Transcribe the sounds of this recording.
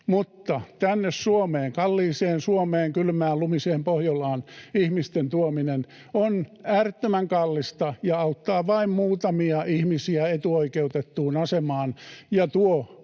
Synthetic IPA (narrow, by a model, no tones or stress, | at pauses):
mut̪ːɑt̪ænːessuomeːŋkɑlːiːseːnsuomeːŋkylmæːllumiseːmpohjolɑːnihmist̪ent̪uominen | onæːrt̪ːømæŋkɑlːist̪ɑjɑɑut̪ːɑːʋɑimmuːt̪ɑmiɑʔihmisiæet̪uoikeut̪et̪ːuːnɑsemɑːnjɑt̪uo